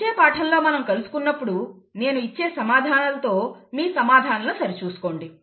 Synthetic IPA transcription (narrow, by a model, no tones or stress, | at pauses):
eːpaːʈʰɐlːo̞ːmɐnɐmkɐlusu̥kunːɐpːuɽu | ne̞ːnuit͡ʃːe̞ːsɐmaːd̪ʱaːnɐlt̪o̞ːmiːsɐmaːd̪ʱaːnɐlusɐɾit͡ʃuːsu̥ko̞ːɳɖi